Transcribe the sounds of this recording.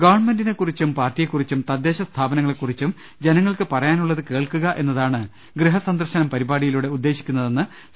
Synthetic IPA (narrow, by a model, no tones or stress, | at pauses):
ɡɐʋɐɳmendinekːurit͡ɕːumpaːrtːijekːurit͡ɕːumt̪ɐd̪ːe̞ːɕɐst̪ʰaːbɐnɐŋːɐɭekːurit͡ɕːum | d͡ʑenɐŋːɐɭkɨpɐrɐjaːnuɭːɐðɨke̞ːɭkuɣɐʔe̞nːɐðaːɳɨ | ɡrɨɦɐsɐnd̪ɐrɕɐnɐmpɐɾibaːɽijiluɽeud̪ːe̞ːɕi̥kʲːunːɐðe̞nːɨ